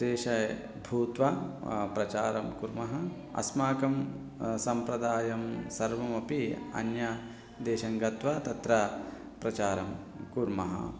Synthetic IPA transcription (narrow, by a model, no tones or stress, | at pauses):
eːʃɐ | bʱuːt̪ʋɐpɾɐt͡ʃaːɾɐmkuɾmɐɦɐ | ɐ̰smaːkɐm | sɐmpɾɐd̪aːjɐmsɐɾʋɐmɐpiɐ̰njɐ | d̪eːʃɐŋɡɐt̪ʋɐt̪ɐt̪ɾɐ | pɾɐt͡ʃaːɾɐm | kuɾmɐɦɐ̰